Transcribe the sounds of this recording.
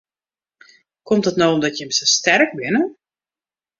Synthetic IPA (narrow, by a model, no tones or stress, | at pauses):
kɔmtətnowɔmdɔtjəmsəstɛrk̚bɪnə